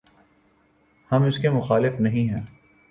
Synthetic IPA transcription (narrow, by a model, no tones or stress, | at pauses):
hɐmʊskemʊxaːlɪfnɐɦĩɦɛ̃ː